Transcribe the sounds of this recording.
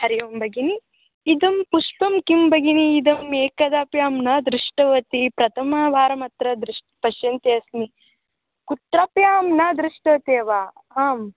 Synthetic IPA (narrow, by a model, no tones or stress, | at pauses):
hɐɾijombɐɡiniː | d̪ɐmpuʂpɐmkimbɐɡiniːd̪ɐmːeːkɐd̪aːpjaːmnɐd̪ɾiʂʈɐʋɐt̪ipɾɐt̪ʰɐmɐːʋaːɾɐmɐt̪ɾɐd̪ɾuʂʈpɐʃjɐnt̪eɐsni | kut̪ɾaːpjaːmnɐd̪ɾiʂʈɐʋɐt̪eːʋaː | aːm